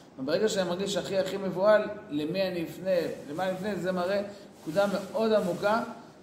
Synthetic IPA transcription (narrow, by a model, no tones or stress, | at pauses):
vebeʁeɡaʃeanimaʁɡiʃaχiaχime̞vualːemianifnelemanifnezemaʁenekud̪ame̞o̞d̪amuka